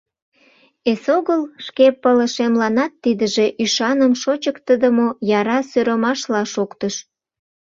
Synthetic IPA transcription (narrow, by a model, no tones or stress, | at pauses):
esoɣəlʃkepːələʃemlɑnɑt̪ːid̪əʒeʔyʃɑnəmʃot͡ɕəkt̪əd̪əmojɑɾɑsøɾəmɑʃlɑʃokt̪əʃ